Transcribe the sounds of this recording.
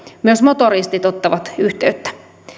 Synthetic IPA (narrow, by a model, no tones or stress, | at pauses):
myøsmot̪oɾist̪it̪ot̪ːɑʋɑt̪yht̪eyt̪ːæ̥